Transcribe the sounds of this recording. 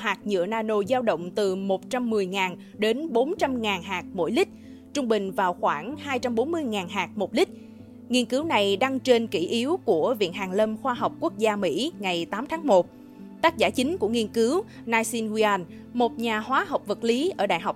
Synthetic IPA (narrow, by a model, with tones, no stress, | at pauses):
ɦaː˨˩k̚ɲɨ̰˧˥ənaː˧no˧zaː˧wɗə̰˧˨wŋ͡mt̪ɨ˨˩mo˨˩t̚t͡ɕa˧mːɨ˨˩əjŋaː˨˩n | ɗe˨˦nɓo˨˦nt͡ɕa˧mŋaː˨˩nɦaː˨˩k̚mo̰˧˩jlï˦˥k̟̚ | t͡ɕʊ˧ŋ͡mɓï˨˩ŋ̟vaː˨˩wxwaː˧˩ŋhaː˧jt͡ɕa˧mɓo˨˦nmɨ˧əjŋaː˨˩nɦaː˨˩k̚mo˨˩t̚lï˦˥k̟̚ | ŋi˧ənkɨ˨˦wna˨˩jɗa˧ŋt͡ɕe˧nki˧˩ʔi˨˦əwku˧˩əvḭ˧˨ənɦaː˨˩ŋlə˧mxwaː˧ɦɔ˨˩wk͡p̚ku˦˥ək̚zaː˧mḭ˧˥ŋa˨˩jt̪aː˨˦mt̪ʰaː˨˦ŋmo˨˩t̚ | t̪aː˦˥k̚zaː˧˩t͡ɕï˨˦ŋ̟ku˧˩əŋi˧ənkɨ˨˦w | naː˧jsi˧nɣi˧a˧n | mo˨˩t̚ɲaː˨˩hwaː˨˦ɦə˨˩wk͡p̚və˨˩t̚li˨˦ʔəː˧˩ɗa̰ː˧˨jɦa˨˩wk͡p